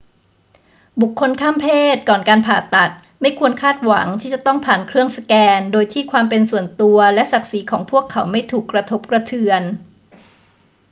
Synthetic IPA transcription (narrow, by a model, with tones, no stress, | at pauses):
bu˨˩kʰːo˧nkʰaː˥˩mpʰeː˥˩t̪̚kɔː˨˩nkaː˧npʰaː˨˩t̪a˨˩t̪̚ | ma˥˩jkʰu˧ənkʰaː˥˩t̪̚wa˩˦ŋt̪ʰiː˥˩t͡ɕa˨˩t̪ɔ˥˩ŋpʰaː˨˩nkʰɾɯ˥˩əŋsa˧kɛː˧ndoː˧jt̪ʰiː˥˩kʰwaː˧mpe˧nsu˨˩ənt̪u˧ɐlɛ˦˥ʔsa˨˩k̚si˩˦kʰɔː˩˦ŋpʰu˥˩əkʰːa˩˦wma˥˩jt̪ʰuː˨˩kːɾa˧t̪ʰo˦˥p̚kɾa˧t̪ʰɯ˧ən